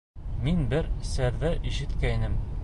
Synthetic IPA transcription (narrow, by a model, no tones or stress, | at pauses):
minbɘɾsɘɾðɘʔiʃɘ̆t̪kæjnɘm